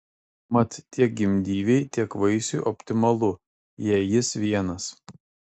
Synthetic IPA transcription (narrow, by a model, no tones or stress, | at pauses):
mɐt̪t̪ʲːiɛk̚ɡʲɪmʲd̪ʲiːʋʲɛɪt̪ʲiɛkʋɐɪsʲuːˑʔɔpʲt̪ʲɪmɐlˠʊ | jɛːjɪsʋʲiɛnɐs